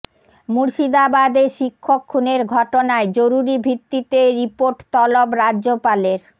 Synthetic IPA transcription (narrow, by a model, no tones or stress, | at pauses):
muɾʃid̪abad̪eʃikʰːokʰːuneɾɡʱɔʈonaed͡ʑoɾuɾibʱɾit̪ːit̪eɾipoɾʈt̪ɔlobɾadʑopaleɾ